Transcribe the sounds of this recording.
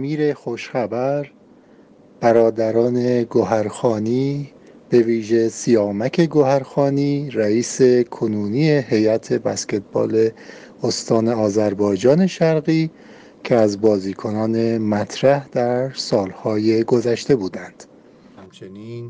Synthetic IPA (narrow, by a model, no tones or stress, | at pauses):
miːɾe̞xoʃxæbæɾ | b̥æɾɒːd̪æɾɒːne̞ɡoɦæɾxɒːniːb̥e̞viːʒe̞sijɒːmæcʰe̞ɡoɦæɾxɒːniːɾæiːse̞kʰonuːnijehe̞jæt̪ʰe̞bæsce̞t̪̚ʰbɒ̰ːle | ost̪ɒːne̞ɒːzæɾbɒːjd͡ʒɒːne̞ʃæɾɣiː | cʰeæzbɒːziːkʰo̞nɒːne̞mæt̪ʰɾæhd̪æɾsɒːlhɒːje̞ɡozæʃt̪e̞buːd̪ænd̪̥ | hæmt͡ʃʰeniːn